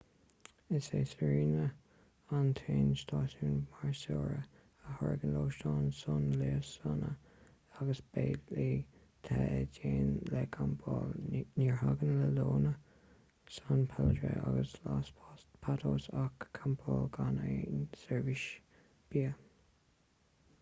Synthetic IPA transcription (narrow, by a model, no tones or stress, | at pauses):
ɪseːsəɹiːnə | ant̪ʰeːnst̪ʰɑːtuːnmaɹsoːɹə | əhɔɹɡənloːʃtɑːnsɔnleːəsanə̰ | aɡəsb̥eːli | t̪ʰaɛdeːnlɛkʰambʰɔːlniɹhaɡənləloːnə | sanpʰɛlədɹə̰ʔa̰ɡəslaspʰatʰoːsakʰːambʰɔːlɡanensɛɹvɪʃ | b̥iːə